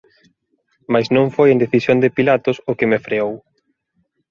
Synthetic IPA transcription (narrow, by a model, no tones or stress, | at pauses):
majsnõŋfojẽneθisjond̪ɪpilat̪ʊsʊkɪmefɾeow